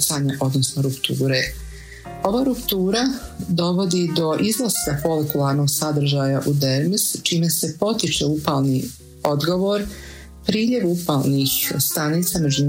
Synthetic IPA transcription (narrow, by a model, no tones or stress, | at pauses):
saɲaʔo̞d̪nosnoɾupt̪uːɾe | o̞ʋaːɾupt̪uːɾad̪o̞ʋo̞d̪id̪o̞ʔiznosapo̞lekulˠaɾnoɡsad̪r̩ʒaːjaʔud̪eɾmist͡ʃiːme̞se̞po̞t̪it͡ʃeupaːlˠniː | o̞d̪ɡo̞ʋo̞ɾ | pɾiːʎe̞ʋupaːlˠniːxst̪anit̪same̞d͡ʒun